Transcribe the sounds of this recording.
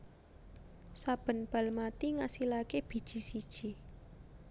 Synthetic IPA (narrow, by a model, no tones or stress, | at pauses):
sab̥ə̤nb̥a̤lmat̪iŋasilakeb̥i̤d̥ʒ̥i̤sid̥ʒ̥i